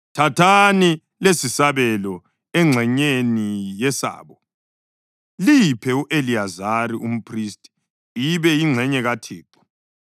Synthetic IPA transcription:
tʰatʰani | lesisaβɛlɔ | ɛŋ͡ǁʱɛɲenijɛsa̰ːβɔ | lipʰɛuʔeliazaɾiʔum̩pʰristʼi̥ | iβɛiŋ͡ǁʱɛɲɛɣatʰiːǃɔ̥

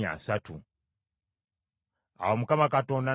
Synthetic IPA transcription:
a̰satu | a̰womukamakato̞ːnda

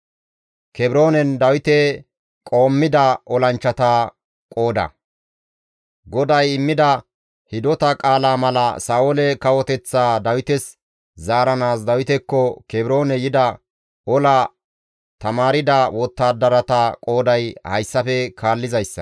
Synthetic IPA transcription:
kɛbɪɾo̞ːnɛnd̪ɐwɪt̪ɛ | kʼo̞ːmːɪd̪ɐʔɔlɐnt͡ʃːɐt̪a | kʼo̞ːd̪ɐ̰ | ɡɔd̪ɐjɪmːɪd̪ɐ | hɪd̪ɔt̪ɐkʼaːlaːmɐlɐ̰saːʔolɛkɐwɔt̪ɛt͡sːaːd̪ɐwɪt̪ɛs | zaːɾɐnaːsd̪ɐwɪt̪ɛkːɔkɛbɪɾo̞ːnɛjɪd̪ɐ | ɔlɐ | t̪ɐmaːɾɪd̪ɐwɔt̪ːaːd̪ɐɾɐt̪akʼo̞ːd̪ɐjhɐ̰jsːɐfɛkʰaːlːɪzɐjsːɐ̰

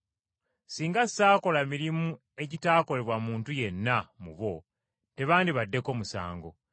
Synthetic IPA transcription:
siːŋɡassaːko̞lamiɾimu | e̞ɟitaːko̞le̞βwamuːntuje̞nːamuβo̞ | te̞βaːndiβadːe̞ko̞ːmusa̰ːŋɡo̞

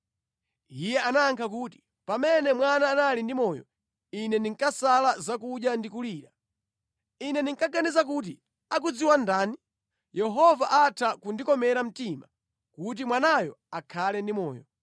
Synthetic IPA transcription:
ijɛanaːŋkʰak̬uːti̥ | pamɛnɛmwanaːnalindimɔjɔ̰ | inɛniŋkasalazakuɗjandikuliːɾa | inɛniŋkaɡanizakut̬i | ak̬ud͡ziwandaːni | jɛɦɔvaʔatʰakundikɔmɛɾam̩tima | kut̬imwanajɔ̰akʰalɛndimɔ̰ːjɔ̰

